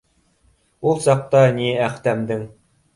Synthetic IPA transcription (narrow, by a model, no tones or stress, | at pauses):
ulˠsɑq̚t̪ɑniæχt̪æmd̪ɘŋ